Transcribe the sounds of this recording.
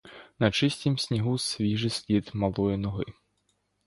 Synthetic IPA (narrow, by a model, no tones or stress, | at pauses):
nat͡ʃɪsʲt̪ʲimsʲnʲiɦusʲvʲiʒɪsʲlʲit̪malˠɔjɛnɔɦɪ̰